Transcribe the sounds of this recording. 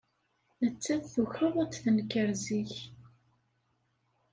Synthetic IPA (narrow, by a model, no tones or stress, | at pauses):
nət͡sːæθθuçəðˤət͡sθənkəɾziç